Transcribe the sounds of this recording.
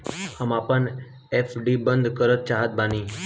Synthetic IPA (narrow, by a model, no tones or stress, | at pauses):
həmapən | efʰɖibə̃nd̪kəɾət̪̚t͡ʃaːɦət̪̚baniː